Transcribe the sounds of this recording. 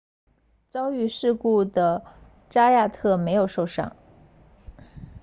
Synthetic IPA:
t͡sɑ˥ʊy˥˧ʂɻ̩˥˧ku˥˩d̪ə˩ | ʈ͡ʂa˥ja˥˧t̪ʰɤ˥˩me˧˥ɪjo˨˩ʊʂo˥˧ʊʂɑ̰˥˩ŋ

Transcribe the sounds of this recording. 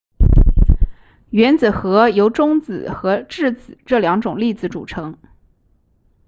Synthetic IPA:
ɥɛ˧˥nt͡sɹ̩˨˩xɤ˧˥jo˧˥ʊʈ͡ʂʊ˥ŋt͡sɹ̩˨˩xɤ˧˥ʈ͡ʂɻ̩˥˩t͡sɹ̩˨˩ʈ͡ʂɤ˥˩ljɑ˧˥ŋʈ͡ʂʊ˨˩ŋli˥˩t͡sɹ̩˧˩ʈ͡ʂṵ˨˩ʈ͡ʂʰɤ˧˥ŋ

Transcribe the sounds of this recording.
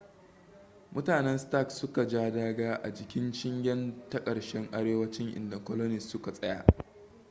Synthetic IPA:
mʊ˦taː˨nɛ˦nsta˦˨ksʊ˦ka˨d͡ʒaː˦daː˦ɡaː˦ʔa̰˨d͡ʒɪ˨kʲɪ˦nt͡ʃɪ˦ŋɡʲɛ˦ntɐ˦kʼɐ˨ɽʃɛ˦ŋʔa˦ɽeː˦wɐ˦t͡ʃɪ˦ŋʔɪ̰˨nda˨kʷɔ˦lɔ˦nɪ˨ssʊ˦ka˨sʼɐ˦ja̰ː˦ʔ

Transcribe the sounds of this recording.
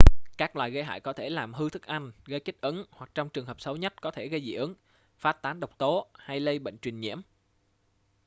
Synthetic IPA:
kaː˦˥k̚lwaː˨˩jɣə˧jɦa̰ː˧˨jkɔ˨˦t̪ʰe˧˩laː˨˩mɦɨ˧t̪ʰɨ˦˥k̚ʔa˧jŋ̟ɣə˧jki˦˥k̚ʔə˨˦nhwa˨˩k̚t͡ɕɔ˧wŋ͡mt͡ɕɨ˨˩əŋɦəː˨˩p̚sə˨˦wɲə˦˥t̚kɔ˨˦t̪ʰe˧˩ɣə˧jzḭ˧˩ʔə˨˦ŋ | faː˦˥t̚t̪aː˨˦nɗə˨˩wk͡p̚t̪o˨˦ha˧jlə˧jɓə̰˧˨ŋ̟t͡ɕwï˨˩ŋ̟ɲḭ˧˥əm

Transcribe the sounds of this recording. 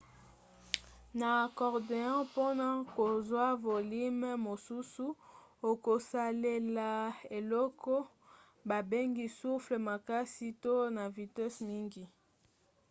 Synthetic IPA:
na˨kɔ˨ʁde˨ɑ̃˦po˦na˦ko˨zwa˦vo˨li˦m˦mo˨su˦su˦o˨ko˨sa˨le˨la˨e˨lɔ˦kɔ˦ | ba˨be˦ŋɡi˦su˦fle˨ma˨ka˦si˦to˦na˨vi˨tɛ˦smi˦ŋɡi˨

